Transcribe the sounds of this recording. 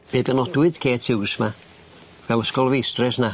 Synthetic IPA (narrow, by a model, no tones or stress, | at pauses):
b̥eːbɛnɔdwɨd̥kʰeːtʰɪwsma | ɡ̥alˠəskɔlˠvijstrɛsna